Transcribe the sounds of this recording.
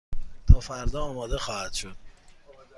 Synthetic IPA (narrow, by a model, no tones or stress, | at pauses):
t̪ʰɒːfæɾd̪ɒːɒːmɒːd̪exɒːhæd̪̥ʃod̪̥̚